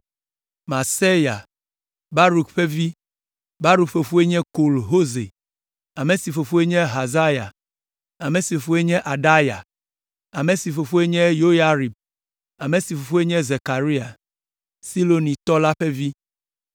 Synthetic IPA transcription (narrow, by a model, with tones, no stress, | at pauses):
ma˨se˦ja̰˨ | ba˦ɾu˨kɸɛ˦vi˦ | ba˦ɾu˨kɸe˨ɸu˦e˦ɲɛ̃˦ko˨lɦo˦zḛ˨ | a˨me˨si˨fo˨fu˦e˦ɲɛ̃˦ɦa˨za˦ja̰˨ | a˨me˨si˨fo˨fu˦e˦ɲɛ̃˦ʔa˨ɖa˦ja˨ | a˨mẽ˨si˨fo˨ɸu˦e˦ɲɛ̃˦jo˦ja˦ɾi˨b | a˨mẽ˨si˨fo˨fu˦e˦ɲɛ̃˦ze˨ka˨ɾi˦a˨ | si˦lo˨nĩ˨t̪ɔ˦la˦ɸɛ˦vi˦